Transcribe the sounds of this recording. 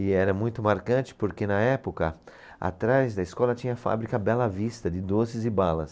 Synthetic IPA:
ɪɛɾɐmũj̃t̪ʊmaɾkɐ̃t͡ʃɪ̥poɾkenɐɛpokɐ | a̰t̪ɾajzd̪ɐɪskɔlɐt͡ʃĩɲɐfa̰bɾikɐbɛlɐvist̪ɐd͡ʒɪd̪osɪzɪbalɐs

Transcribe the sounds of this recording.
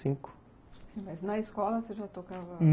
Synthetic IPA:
sĩŋk | sĩmɐznɐiʃkɔlˠɐseʒat̪okavɐn

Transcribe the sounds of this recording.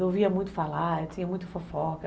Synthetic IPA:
ewviɐmũj̃t̪ʊ̥falaet̪ĩɲɐmũj̃t̪ʊfofɔkɐ

